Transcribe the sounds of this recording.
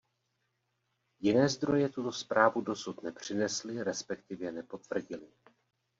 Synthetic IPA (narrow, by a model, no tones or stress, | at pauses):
jɪnɛːzd̪ɾo̞jɛt̪ut̪o̞spɾaːvudo̞sut̪nɛpr̝̥ɪnɛslɪɾɛspɛk̚t̪ɪvjɛnɛpo̞t̪v̥r̩ɟɪlɪ